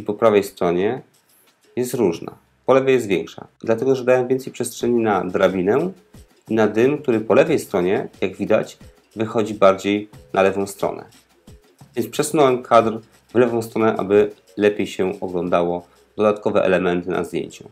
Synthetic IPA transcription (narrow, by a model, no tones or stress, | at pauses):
ipɔpɾavɛjst̪ɾɔɲɛ | jɛst̪ɾuʐna̰ | pɔlɛvajɛst̪vʲjɛŋkʂa̰d̪lat̪ɛɡɔʐɛd̪awɛmvʲɛnt̪sɛjpʂɛstʂɛɲinad̪ɾabʲinɛ | inad̪ɘmk̚t̪uɾɘpɔlɛvɛjst̪ɾɔɲɛjaɡvʲid̪a̰t͡ɕ | vɘxɔd͡ʑibaɾd͡ʑejnʔalɛvɔ̃w̃st̪ɾɔ̰nɛ̰ | vʲjɛnspʂɛsunɔwɛmkʰad̪r | vlɛvɔ̃w̃st̪ɾɔnɛʔa̰bɘ | lɛpʲjejɕɛʔɔɡlɔnd̪awɔ | d̪̥ɔd̪at̪̚kɔvɛ̰ʔɛ̰lɛmɛnt̪ɘnʔa̰zd̪ʲjḛɲt͡ɕu